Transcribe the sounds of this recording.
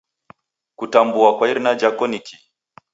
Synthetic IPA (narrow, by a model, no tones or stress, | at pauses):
kutambuakwaiɾinad͡ʒakɔnikʰi